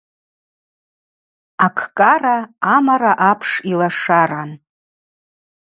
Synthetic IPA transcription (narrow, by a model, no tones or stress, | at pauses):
akʰkʼaraːmaɾaʔapʰʂilaʂaran